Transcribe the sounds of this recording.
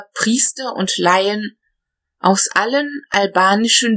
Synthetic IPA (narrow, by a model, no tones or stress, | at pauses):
pʁ̥iːstɐʔʊ̰ntlaɪən | ʔaʊsʔalənʔalbaːnɪʃən